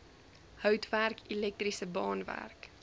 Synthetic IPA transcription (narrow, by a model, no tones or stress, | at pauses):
hœwtværkilɛk̚trisəbɑːnvæ̰rk